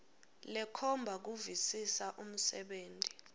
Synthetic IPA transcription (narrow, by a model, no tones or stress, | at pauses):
lɛkʰɔmbʱak̬uvisisaʔum̩sɛɓeːntʼi̥